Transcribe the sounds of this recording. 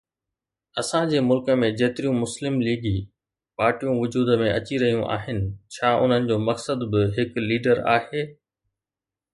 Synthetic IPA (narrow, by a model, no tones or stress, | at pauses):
ɐsãd͡ʑeːmʊlkə̆mẽd͡ʑɐɦt̪ɪɾijũmʊslɪmliːɡi | paːɾʈijũʋʊd͡ʑuːd̪əmẽʔɐt͡ɕiɾɐɦijũʔa̰ːɦɪnɪ̆t͡ɕʰaːʊ̰n̤ənɪ̆d͡ʑoːmɐksəd̪bɪɦɪkliːɖəɾa̰ːheː